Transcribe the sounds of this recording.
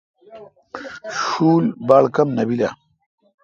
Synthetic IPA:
ʃuːlbaːɭkɐmnɐbila̰

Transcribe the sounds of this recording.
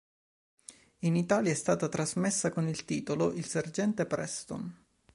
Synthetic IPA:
init̪aːljaɛst̪aːt̪at̪ɾazmesːakonilt̪iːt̪oloʔilserd͡ʒɛnt̪epɾɛst̪o̰n

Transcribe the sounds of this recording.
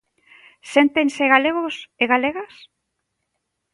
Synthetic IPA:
sent̪eŋseɣaleɣoseɣaleɣas

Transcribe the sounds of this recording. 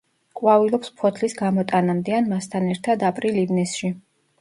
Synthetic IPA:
kʼwavilɔpspʰɔt̪ʰlisɡamɔt̪ʼanamd̪ianmast̪ʰanɛɾt̪ʰad̪apʼɾilivnɛsʃi

